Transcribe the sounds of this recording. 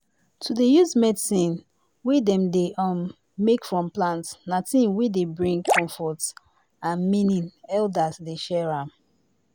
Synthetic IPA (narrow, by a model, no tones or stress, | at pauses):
tʰudejuzmɛdsĩn | widɛ̃mdeɔmː | ekfɹɔ̃mplãntsnatĩnwidebɹĩŋkʰɔ̃mfɔt | ãnminĩnɛldasdeʃɛɹãm